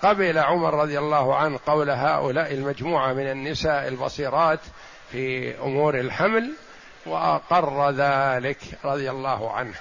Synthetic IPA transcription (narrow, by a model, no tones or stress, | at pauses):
qɑbɪlaʕʊmɑɾˤːɑðˤjalˤːɑːhʕanhqɑwlaɦaːʔʊlaːʔɪlmad͡ʒmuːʕamɪnanːɪsaːʔɪlbɑ̰siːɾˤɑːt̪ | fiʔʊ̰muːɾɪlħaml | wɪʔɑqɑrˤːðaːlɪkɾˤɑðˤjalːɑːhʕa̰nh